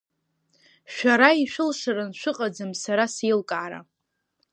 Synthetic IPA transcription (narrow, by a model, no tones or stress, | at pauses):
ʃᶣaɾaiʃʷᶣɨlʂaɾanʃʷᶣɨqʼad͡zɨmsaɾasilkʼaːɾa̰